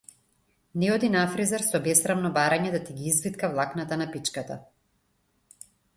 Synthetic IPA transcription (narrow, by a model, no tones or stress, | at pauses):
nɛɔd̪inafɾizaɾsɔbɛsɾavnɔbaɾaɲɛd̪at̪iɡiizvit̪kavlˠaknat̪anapit͡ʃkat̪a̰